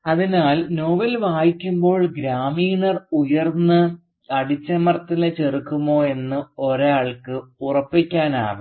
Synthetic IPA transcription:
ɐðinaːlno̞ːʋɐlʋaːjikʲːumbo̞ːɭɡɾaːmiːɳɐrujɐrnːɨ | ɐɽit͡ɕːɐmɐrt̪ːinɨt͡ɕerikːumːo̞ːe̞nːɨoɾaːɭkɨurɐpːikʲːaːna̰ːʋɨ

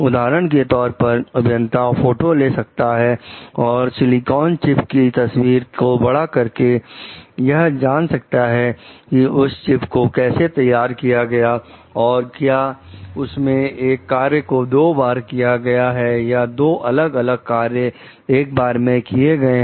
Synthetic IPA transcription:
ʊd̪aːɾəɽ̃ket̪ɔːɾpɐɾɐbʱjə̃nt̪afoːʈoleːsɐk̚t̪aɦɛɔːɾsɪlɪkɔːnt͡ʃɪpkit̪ɐswiːɾkobɐɽakɐɾke | jɐɦd͡ʒaːnsɐk̚t̪aɦɛkiʊst͡ʃɪpkokɛːset̪ɐjːaːɾkijaɡɐjaɔːɾkjaː | ʊsmẽeːkːaːɾjəkod̪oːbaːɾkijaɡɐjaɦɛjad̪oːʔɐləɡɐləɡ̚kaːɾjə | eːk̚baːɾmẽkieɡɐeɦ

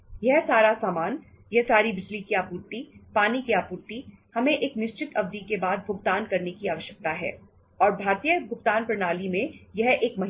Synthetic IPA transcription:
jɛɦsaːɾasaːmaːn | jɛɦsaːɾibɪd͡ʒlikiaːpuːɾt̪ipaːnikiaːpuːɾt̪ihɐmẽʔeːknɪʃt͡ʃɪt̪ʰɐbd̪ikebaːd̪̚bʱʊɡt̪aːnkɐɾnekiaːʋəʃjək̚t̪aɦɛ̰ː | ɔːɾbʱaːɾt̪ijəbʱʊɡt̪aːnpɐɾnaːlimẽjɐɦeːkmɐɦ

